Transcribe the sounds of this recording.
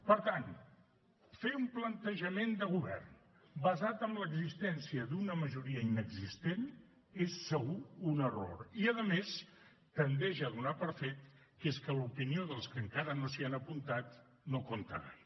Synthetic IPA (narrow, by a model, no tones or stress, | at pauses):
pəɾt̪an | feumplənt̪əʒəmend̪əɣuβɛ̰rn | bəzat̪əmləɡzist̪ɛnsiəðunəməʒuɾiəinəɡzist̪en | esːəɣ̞uunəro̰ɾiəðəmes | t̪ənd̪ɛʒəːðunapəɾfet̪ | keskəlupinioðəlˠskəŋkaɾənosianəpunt̪at̪ | nokont̪ə̰ɾa̰j